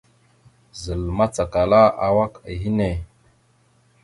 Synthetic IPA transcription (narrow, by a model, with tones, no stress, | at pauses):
zə˨lma˦t͡sa˨ka˨la˦a˨wa˦ki˨ɦi˦ne˨